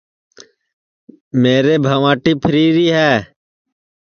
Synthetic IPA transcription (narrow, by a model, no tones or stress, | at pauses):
meːɾeːbʱəʋãːʈiːpʰəɾiːɾiːɦɛː